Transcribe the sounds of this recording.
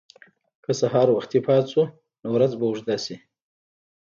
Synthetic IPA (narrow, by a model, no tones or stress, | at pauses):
kʰəsaɦɑɾwaxt̪ipʰɑt̪su | nowɾad͡zbauʐd̪asi